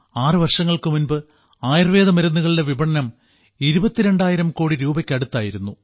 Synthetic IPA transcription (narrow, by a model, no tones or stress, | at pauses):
aːrɨʋɐrʂɐŋːɐɭkɨmunbɨ | aːjrɐʋe̞ːðɐmɐɾɐnːuɣɐɭileʋibɐɳɐnɐm | iɾubɐt̪ːiɾe̞ɳɖaːjiɾɐmko̞ːɽiɾuːbɐkʲːɐɽut̪ːaːjiɾunːu